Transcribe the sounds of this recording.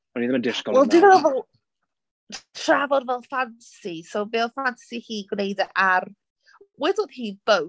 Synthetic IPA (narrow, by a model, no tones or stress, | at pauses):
ɔniðɛməndɪskɔwɛlˠdɪvɛɔvɛlˠ | tʰravɔdvɛlˠfansisowveːlˠfantsihiːɡwnejdaʔar | wɛdoðhiːb̥ow